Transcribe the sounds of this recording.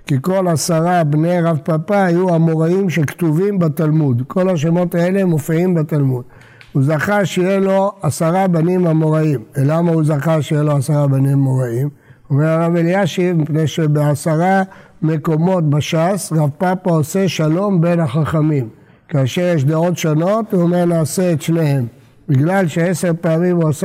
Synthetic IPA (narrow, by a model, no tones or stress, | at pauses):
kiko̞lasaʁabnejʁavpapaajuamo̞ʁaimʃekt̪uvimbat̪almud̪kʰo̞laʃemo̞t̪ae̞lemofiimbat̪almud | huzaχaʃejelo̞asaʁabanimamo̞ʁaimelamauzaχaʃejelo̞asaʁabanimːo̞ʁaim | o̞meʁaʁaveljaʃimipnejʃebeasaʁa | me̞ko̞mo̞tbaʃasʁavpapaoseʃalo̞mbe̞nhaχaχamim | kaːʃeʁjeʃ̬d̪ao̞tʃono̞t̪veomeʁnaːseet̪ʃnehe̞m | biɡlalʃeeseʁpeamimuas